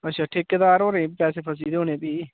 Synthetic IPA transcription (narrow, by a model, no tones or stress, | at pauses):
əʃʰaːʈʰɪkːd̪aːɾoːɾẽːpɛːseːpʰəs̬iːd̪eoːnẽːpiː